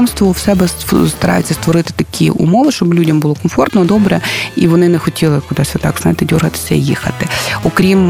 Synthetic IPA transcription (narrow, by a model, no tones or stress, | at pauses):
mst̪ʋɔwsɛbɛst̪ɐɾʔɑ̰jʊt͡sʲːɐst̪ʋɔɾɪt̪ɪ̥t̪ɐkʲʰiṵmɔʋɪʃt͡ʃɔblʲudʲɐmbʊlˠɔkɔmfɔrt̪nɔd̪ɔbɾɛḭʋɔnɪnɛxɔtʲilˠɪkʊd̪ɑsʲɐt̪ɑkzna̰jɪt̪ɪdʲirɦɐt̪ɪ̥sʲɐijixɐ̰t̪ɪɔkɾʲim